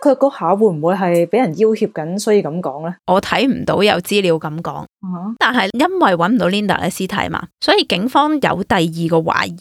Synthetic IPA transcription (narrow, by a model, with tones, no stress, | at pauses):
kʰɵ˨˧kɔː˧haː˨˥wu˨˧˥m̩˨˩wuː˨˧jɦɐ˨jpe˨˥jɐ˨˩nji˥whiː˧p̚kɐ˨˥nsɔ˥jiː˧kɐ˨˥mkɔː˨˥ŋlɛː˦˥ʔɔː˨˧t̪ʰɐ˨˥jm̩˨˩t̪o˨˥wjɐ˨˧wt͡siː˥liː˨˧wkɐ˨˥mkɔ̰ː˨˥ŋ˨˩˨t̪aː˨nɦɐ˨jjɐ˥nwɐ˨jwɐ˨˥nm̩˨˩t̪o˨˧wliː˥nt̪ɐ̰˨˩ʔɛ̰˧siː˥t̪ʰɐ̰˨˥jma̰ː˨˧sɔː˨˥jiː˨˧kɪ˨˥ŋfɔː˥ŋjɐ̰˨˧wt̪ɐ˨jjiː˨kɔː˧wa̰ː˨˥ji˨